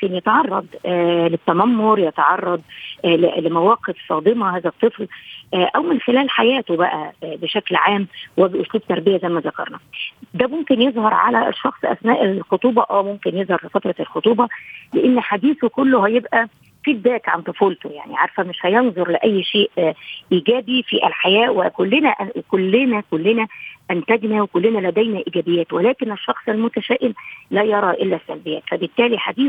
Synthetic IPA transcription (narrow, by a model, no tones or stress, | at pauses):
mmkenjæt̪ɑʕɑrˤːɑd̪ˤlet̪ːæmæmːoɾjɑt̪ɑʕɑrˤːɑd̪ˤ | lemæwæːqefsˤɑːd̪ˤemɑhæːzæt̪ˤːɨflʔʔæwmɪnxelæːlħajæːt̪obæʔæbeʃæklʕaːmwɪbʔosluːb̚t̪ɑɾˤbɪjæzæjmæzɑkɑ̰ɾˤnæd̪æmomkenjezˤhɑɾˤʕa̰læ̰ʃːɑxsˤʔæ̰snæːʔelxot̪ˤuːbɑʔæwmomkenjezˤhɑɾˤlefæt̪ɾˤɑlxot̪ˤuːbɑleʔenːħad̪iːθokolːohæjebʔæ | fid̪̚d̪æːk̪ʕa̰nt̪ˤofuːlt̪oja̰ʕnḭʕaɾfæmeʃhæjenzˤoɾˤleʔæjːʃeːʔʔiːɡæːbifiʔælħajæːwekolːenæʔkolːɪnækolːenæʔænt̪æɡ̪næwekolːenælæd̪æjnæʔiːɡæbejːæːt̪welæːkeneʃːɑxsˤɪlmʊt̪æʃæːʔɪmlæːjɑɾˤɑʔelːæsːæ̰lbejæːt̪fæbɪt̪ːæːliħad̪iː